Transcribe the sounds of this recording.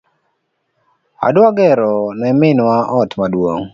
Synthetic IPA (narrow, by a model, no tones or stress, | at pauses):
a̰dwaɡɛɾɔnɛmɪnwaʔɔtmadwo̰ŋ